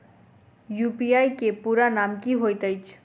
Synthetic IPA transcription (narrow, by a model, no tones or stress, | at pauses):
jupiajkepuɾanamkiɦojt̪əjt͡ʃʰ